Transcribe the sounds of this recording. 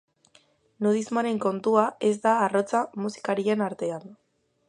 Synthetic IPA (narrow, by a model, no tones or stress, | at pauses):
nuð̞izmane̞ŋko̞nt̪uae̞zd̪aːro̞t͡samusi̥kaɾie̞naɾt̪e̞an